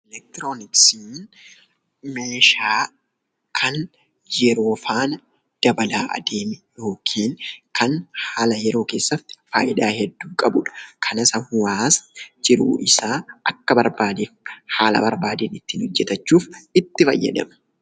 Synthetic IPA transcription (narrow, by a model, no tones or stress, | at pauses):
ɛlɛk̚t̪ɾoːnɪksin | meːʃaː | kʰɐn | jɛɾoːfaːnɐ | d̪̥ɐbɐlaːʔɐ̰d̪eːmɪjo̞ːkʰiːnkʰɐnhaːlɐjɛɾo̞ːke̞ːsːɐt̪ːɪ̥fa̰ːʔɪᶑaːhɛd̪ːuːkʼɐbʊᶑɐ̥kʰɐnɐsɐhʊaːsd͡ʒɪɾṵːʔɪsaːʔɐkːɐbɐɾbaːd̪eːfhaːlɐ̰bɐɾbaːd̪eːnɪt̪ːiːnhɔd͡ʒːɛt̪ɐt͡ʃːuːfɪt̪ːɪfɐ̰jːɐ̰d̪ɐ̰mɐ